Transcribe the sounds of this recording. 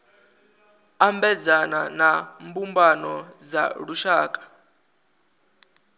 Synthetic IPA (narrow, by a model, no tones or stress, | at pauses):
ambɛd͡zananambumbanɔd͡za̰ɺuʃaːkʼḁ